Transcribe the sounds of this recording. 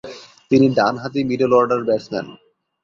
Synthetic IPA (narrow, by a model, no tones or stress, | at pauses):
t̪iniɖanɦat̪imiɖelɔɾɖaɾbɛʈsmɛ̰n